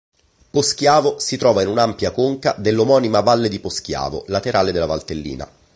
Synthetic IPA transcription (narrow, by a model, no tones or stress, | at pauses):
posk̟jaːvosit̪ɾɔːvainunampjakoŋka̰d̪elːomɔːnimavalːed̪iposk̟ja̰ːvo̰lat̪eɾaːled̪elːavalt̪elːḭːna̰